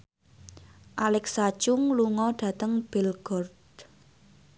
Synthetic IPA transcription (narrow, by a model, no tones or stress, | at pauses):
ʔalɛksḁt͡ʃʊŋluŋɔɖ̥ä̤t̪əŋb̥ɛlɡ̥ɔrd̪